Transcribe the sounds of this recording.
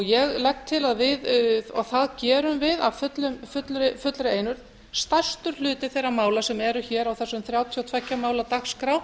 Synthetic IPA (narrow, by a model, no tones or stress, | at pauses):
ɔɣjɛɣlɛkt̪ʰːɪlaðvɪðɔɣθaðcɛːɾʏmvɪðavfʏt̪lʏmfʏt̪lɾɪfʏt̪lɾɪeːjnʏɾ̥ | st̪ḁst̪ʏɾ̥lʏːt̪ɪθejramaːwlasɛmɛɾʏçɛːɾawθɛsːʏmθɾjaːwt̪ʰiawt̪ʰvɛcːamaːwlat̪axskɾaw